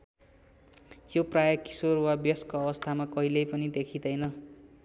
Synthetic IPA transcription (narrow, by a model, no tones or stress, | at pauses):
joprajʌki̥sorwabjʌskoʌbʌst̪ʰamakʌɦilʌjpʌnid̪ekʰid̪ʌjnʌ